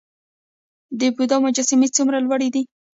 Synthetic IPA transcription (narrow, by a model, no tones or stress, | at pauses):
d̪əbud̪ɑmʊd͡ʒasɪmet͡sumɾalwaɽid̪i